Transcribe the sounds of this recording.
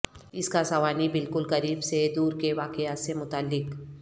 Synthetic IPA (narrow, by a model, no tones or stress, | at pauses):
ɪskasɐʋaːnibɪlkʊlkɐɾiːbsed̪uːɾkeʋaːkeaːt̪semʊt̪aːlːɪk